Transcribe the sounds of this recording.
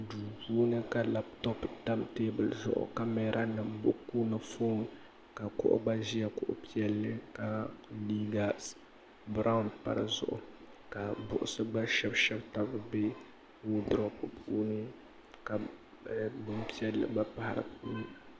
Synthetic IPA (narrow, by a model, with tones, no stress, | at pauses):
duː˨puː˦nɨ˦ka˨la˦ptɔ˦pda˦mteː˦bɨ˨lzʊ̰˨ʔʊ̰˨ka˦mɛ˨˦ɾʔa˦nɨ˨mbʊ˦ʔkuː˦na˨fo˦n | ka˨kʊ̰˦ʔʊ̰˦ba˦ʒi˦ja˨kʊ˨ʔʊ̰˦pi˦ɛ˦lːɨ˦ka˦liː˦ɡa˨s | bɾa˦ʊ˦ndpa̰˨ɾɨ̰˨zʊ̰˨ʔʊ̰˨ | ka˨bʊ˨ʔʊ˨sɨ˦ba˦ʃɛ˦bʃɛ˦bta˦bɨ˦be˦ | wo˦dɾɔ˦pɨ˨puuː˦nɨ˦ | ka˨ | bɨ˦mpi˦ɛ˦lːɨ̰˨ba˦pa˦˨ha˨ɾɨ̰˨puː˦n˦˨